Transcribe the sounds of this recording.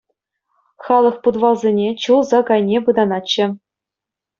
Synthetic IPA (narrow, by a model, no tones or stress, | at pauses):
χɑlˠɤ̆χpud̪ʋɑlˠzʲenʲet͡ɕulˠzɑɡɑjnʲepɯd̪ɑnɑtɕːɘ̆